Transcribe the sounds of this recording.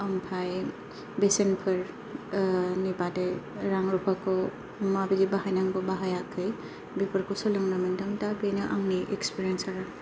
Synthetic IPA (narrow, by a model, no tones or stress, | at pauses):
ampʰaj | besenpʰɯɾ | nibadɯj | ɾaŋɾupʰakɔ | mabiɡibaɦajnaŋɡɔbaɦajakʰːɯj | bipɯɾkɔsɔlɯŋnamandɯŋdabenɯʔaŋniʔekspiɾiensaɾɯ